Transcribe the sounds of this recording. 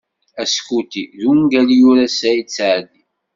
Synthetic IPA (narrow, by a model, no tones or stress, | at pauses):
æskut̪iðuŋɡælijuɾasæjit͡sːaʕd̪i